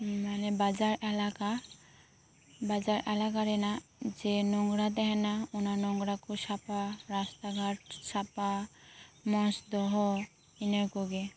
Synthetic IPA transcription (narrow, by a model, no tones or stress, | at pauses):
manɛbad͡ʒaɾɛlaka | bad͡ʒaɾʔɛlakaɾɛnad͡ʒɛnɔŋɡɾad̪ɛɦɛnaunaɾnɔŋɡɾakɔsapaɾast̪aɡʱaʈ̚sapa | mɔ̃sd̪ɔɦɔ | inɔɾkɔɡɛ